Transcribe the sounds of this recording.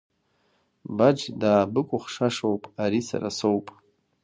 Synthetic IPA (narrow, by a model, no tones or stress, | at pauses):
bad͡ʒdaːbɨkʷʼʊχʂaʂowpʼaɾisa̰ɾa̰sowpʼ